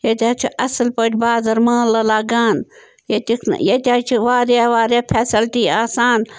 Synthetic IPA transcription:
jɐt̪ʲaːt͡ʃʰiʔɐslpɐʈʰʲbaːzɐɾmãːlɐlaːɡaːn | jɐt̪ʲikʰn̰jɐt̪ʲaːt͡ʃʰiʋaːɾaːʋaːɾaːpʰeːsɐlʈiːaːsaːn

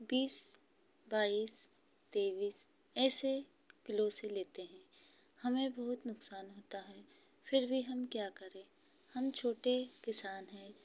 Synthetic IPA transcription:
biːs | baːiːs | t̪eːʋiːs | ɛːse | kɪloseleːt̪eɦɛ̃ː | hɐmẽbɐɦʊt̪nʊksaːnɦoːt̪aɦɛː | fʰɪɾbʱiɦɐmkjaːkɐɾẽː | hɐmt͡ʃʰoːʈekɪsaːnɦɛ̃ː

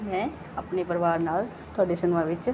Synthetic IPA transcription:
mɛ̃ | ɐpnepəɾʋaːɾnaːl | t̪ʰɔːɖisənʋãʋɪt͡ʃ

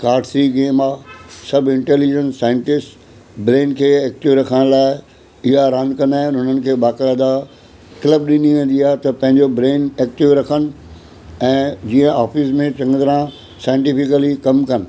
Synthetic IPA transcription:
kaːɾʈsɾiɡeːmaːsɐbɪ̃ɳʈeːlid͡ʑə̃nsːaːɪ̃ɳʈɪsʈ | bɾeːnkʰeːeːk̚ʈiʋɾɐkʰəɽ̃laːɪ | ɪɦaɾə̃nkɐnaːɦɪ̃nɦʊnən̆kʰeːɓaːkɪɾɐd̪a | kɪləb̚ɗɪniʋẽːnd̪iaːɦt̪ɐpɐ̃ɦɪ̃ɲd͡ʑobɾeːneːk̚ʈɪʋɾɐkʰənɪ̆ | ɛ̃ːd͡ʑiːə̃ʔaːfiːsmẽt͡ɕɐ̃ŋɡət̪ɾã | saːɪ̃ɳʈifɪkəlikɐmkɐnɪ̆

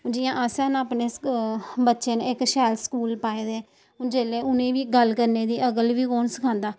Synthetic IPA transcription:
d͡ʒɪːãːʔasɛːnaːpneː | bətːʃeːnɪkʃɛːlskuːlpaːeːd̪eː | d͡ʒeːleːʊnẽːʋiːɡəlkəɾneːd̪iːʔəɡəlʋiːkɔːnsəkʰãːnd̪aː

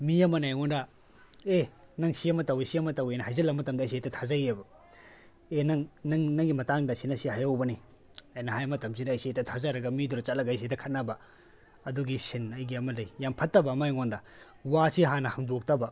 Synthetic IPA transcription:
miɐmɐnajŋonda | enɐŋsiɐmɐtɐwisiɐmɐtɐwejnɐhajzɐlːɐɡmɐtɐmdɐːjsetɐtʰazɐjebɐ | enɐŋnɐŋnɐŋɡimɐtaŋdɐsinɐsiɦajawbɐni | ɐjnɐɦajmɐtɐmsidɐːjsetɐtʰazaɾɐɡɐmiduɾɐt͡ʃɐt̚lɐɡɐjs̬etɐkʰɐt̚nɐbɐ | ɐduɡisinɐjɡiɐmɐlɐjjampʰɐtːɐbɐːmajŋondɐ | wasiɦanɐhɐŋdok̚tɐbɐ

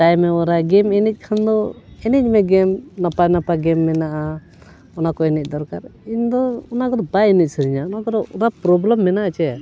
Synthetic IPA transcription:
t̪ajmɛɔɾaɡɛmɛnɛc̚ˀkʰand̪ɔɛnɛc̚ˀmɛɡɛmnapanapaɡɛmːɛnaʔa | ɔnakɔɛnɛc̚ˀd̪ɔɾkaɾiɲd̪ɔɔnakɔd̪ɔbajɛnic̚səɾiɲaɔnakɔd̪ɔɔɾapɾɔbləmːɛnaʔat͡ʃɛ

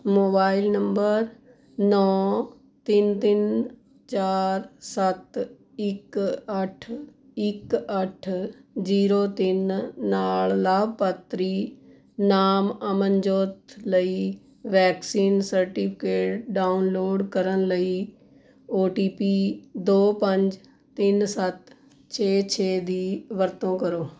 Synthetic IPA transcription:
moːbaːɪlnəmbəɾ | nɔː | t̪ɪnt̪ɪn | t͡ʃaːɾsət̪ | ɪkəʈʰ | ɪkəʈʰziːɾoːt̪ɪnːaːllaːbpət̪ɾiː | naːməmənd͡ʒoːt̪ləiː | ʋɛːksiːnsəɾʈiːpʰɪ̥keːʈɖaːʊnloːɖkəɾənləiː | oːʈiːpiːd̪oːpəɲd͡ʒ | t̪ːɪnsət̪ | t͡ʃʰeːt͡ʃʰeːd̪iːʋəɾt̪õːkəɾoː

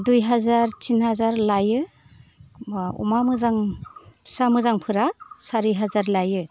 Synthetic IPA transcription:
dujɦazaɾtʰinhazaɾlajɯ | ṵmamɯzaŋ | samɯzaŋpʰɯɾasaɾiɦazaɾlajɯ

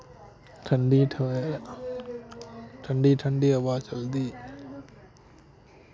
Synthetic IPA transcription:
ʈʰɐɳɖiʈʰ | ʈʰɐɳɖiʈʰɐɳɖiɐʋaːt͡ʃʰɐld̪i

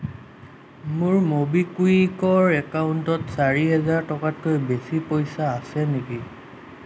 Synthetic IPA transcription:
mʊɹmobikuikɔɹɛkauntɔtsaɹiɦɛzaɹtɔkat̚kojbesipojsaːsɛneki

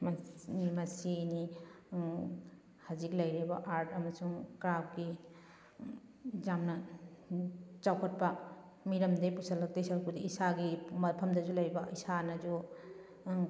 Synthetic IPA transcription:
mɐsini | hɐziklɐjɾibɐʔaɾtɐmɐsuŋkɾap̚ɡi | d͡ʒamnɐ | t͡ʃawkʰɐt̚pɐ | miɾɐmdejpusɐlːɐk̚tejsaɾkʰudiisaɡimɐɾpʰɐmdɐzulɐjbɐisanɐd͡ʒu

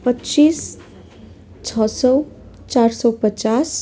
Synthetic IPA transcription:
pʌtːt͡sis | t͡sʰʌsʌw | t͡sarsʌwpət͡sas

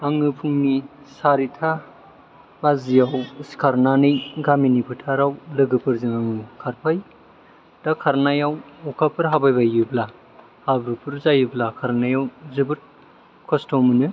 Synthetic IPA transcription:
aŋɯpʰuŋnisaɾitʰa | bazijawsi̥kʰaɾnanɯjɡaminipʰɯtʰaɾawlɯɡɯpʰɯɾziŋaŋɯkʰaɾpʰaj | d̥akʰaɾnajawɔkʰapʰɯɾɦabajbajɯbla | habɾɯpʰɯɾzajɯblakʰaɾnajawzɯbɯɾ | kʰɔstɔmɯnɯ

